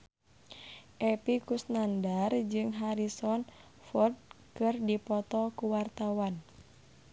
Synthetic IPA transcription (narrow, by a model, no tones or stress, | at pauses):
ʔɛpikusnandard͡ʒɨŋɦaɾisɔn | fɔrd̚kɨrdipɔt̪ɔkuwart̪awan